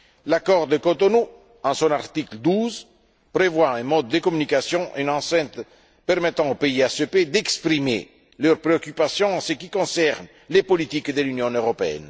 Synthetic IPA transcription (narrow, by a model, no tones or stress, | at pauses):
lakɔʁd̪əkot̪onu | ɑ̃sɔ̃naʁt̪ikld̪uz | pɾevwaɛ̃mɔd̪ːəkɔmynikasjɔ̃ʔynɑ̃sɛ̃t̪ | pɛʁmet̪ɑ̃opeiasøped̪ɛkspɾimḛ | løʁpɾeɔkypasjɔ̃ɑ̃səkikɔ̃sɛʁn | lepɔlit̪ikd̪əlynjɔ̃øʁɔpeɛ̰n